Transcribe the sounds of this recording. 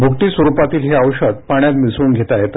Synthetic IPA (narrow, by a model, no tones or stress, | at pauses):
bʱuk̚ʈ̪iːsʋəɾupat̪iːlɦeəʋɕəd̪̚paɳ̃jat̪misuːnɡʱet̪aet̪